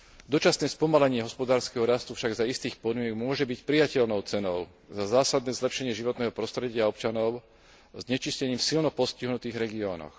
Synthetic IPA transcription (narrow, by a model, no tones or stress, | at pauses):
d̪ɔt͡ʃasnɛːspɔmalɛɲɪɛɦɔspɔd̪aːɾskɛɦɔɾast̪ufʃaɡzaist̪iːxpɔd̪mɪɛɡmʊɔʒɛbicpɾijacɛʎnɔʊt͡sɛnɔʊ | zazaːsad̪̚nɛːzlɛpʃɛɲɪɛʒiʋɔt̪nɛːɦɔpɾɔst̪ɾɛɟɪaɔpt͡ʃanɔʊ | zɲɛt͡ʃiscɛɲiːmfsilnɔpɔsciɦnut̪iːɣɾɛɡiɔːnɔ̰x